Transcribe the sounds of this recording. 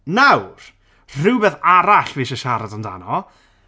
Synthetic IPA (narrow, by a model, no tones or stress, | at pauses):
nawr | r̥ɪwbɛθaɾaɬviːʃəʃaɾadanda̰nɔ